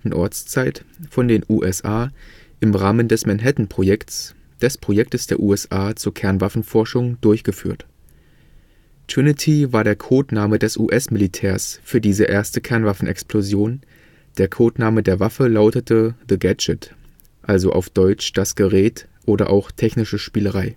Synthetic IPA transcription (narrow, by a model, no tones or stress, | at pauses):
tn̩ʔɔɐt͡st͡saɪtfɔndeːnʔuːʔɛsʔaː | ʔɪmʁaːməndɛsmɛnɦɛtn̩pʁ̥ojɛkt | d̥ɛspʁ̥ojɛk̚təsd̥eːɐʔuːɛsʔaːt͡suːɐkʰɛɐnvafn̩fɔɐʃʊŋdʊɐçɡ̥əfy̰ːɐt | tʰʁ̥ɪnɪtʰivaːɐɾeːɐkʰoːtnaːmədɛsʔṵːʔɛsmɪlitʰɛːɐsfyːɐdiːzəʔeːɐstəkʰɛɐnvafn̩ʔɛ̰ksplozjoːn | d̥eːɐkʰoːtnaːmədeːɐvafəlaʊtətʰəðəɡɛd͡ʒət | ʔalzoʔa̰ʊfd̥ɔʏt͡ʃd̥asɡ̥əʁɛːt | ʔoːɾɐ̰ʔa̰ʊxtʰɛçnɪʃəʃpiːləʁaɪ